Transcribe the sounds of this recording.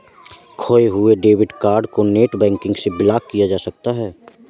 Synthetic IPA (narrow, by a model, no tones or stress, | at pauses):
kʰoːeɦʊeɖeːʋɪɖkaːɾɖkoneːʈbɛ̃ːŋkɪ̃ŋɡsebɪlaːkkːijad͡ʒaːsɐk̚t̪aɦɛː